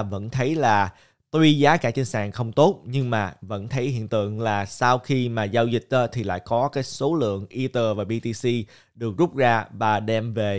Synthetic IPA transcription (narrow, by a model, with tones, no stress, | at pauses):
və̰˧˥nt̪ʰə˨˦jlaː˨˩ | t̪wi˧zaː˨˦kaː˧˩t͡ɕə˧˦nsa̰ː˧˨˩ŋxə˧wŋ͡mt̪o˦˥t̚ɲɨ˧ŋmaː˨˩və̰˧˥nt̪ʰə˨˦jhḭ˧˨ənt̪ɨ̰˧˨ənlaː˨˩sa˧wxi˧maː˨˩zaː˧wzï˨˩k̟̚təː˧t̪ʰi˨˩la̰ː˧˨jkɔ˨˦kaː˨˦jso˨˦lɨ̰˧˨əŋʔi˧t̪əː˧˩vaː˨˩ɓi˧t̪i˧si˧ | ɗɨ˨˩ək̚zʊ˦˥p̚zaː˧vaː˨˩ɗɛ˧mve˨˩